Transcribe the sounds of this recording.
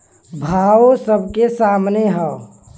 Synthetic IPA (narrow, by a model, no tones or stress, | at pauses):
bʱaːosəb̚kesaːmneɦɛo